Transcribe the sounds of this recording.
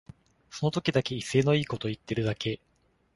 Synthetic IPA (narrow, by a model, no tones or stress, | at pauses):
so̞no̞t̪o̞kʲid̪ake̞ise̞ːno̞iːko̞t̪o̞it̪ːe̞ɾɯ̟d̪ake̞